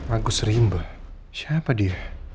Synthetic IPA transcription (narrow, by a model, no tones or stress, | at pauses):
maɡʊsrimbə | ʃapadia